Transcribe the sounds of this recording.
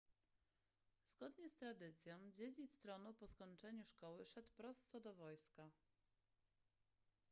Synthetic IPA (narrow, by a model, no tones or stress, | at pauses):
z̥ɡɔd̪ɲɛst̪ɾad̪ɘt̪sʲjɔ̃w̃d͡ʑed͡ʑist̪ɾɔnɔpɔskɔɲt͡ʂɛɲuʂkɔwɘʂɛt̪wpɾɔst̪sɔd̪ɔvɔjska